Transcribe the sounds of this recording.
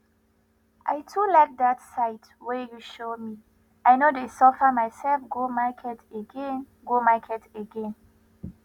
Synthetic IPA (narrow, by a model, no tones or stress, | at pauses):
ʔa̰jtʰulaɪk̚datsaɪt | wɛjuʃomi | ʔajnodesɔfəmaɪsɛlfɡomakʰɛteɡɛ̃n | ɡomakʰɛtəɡɛ̃n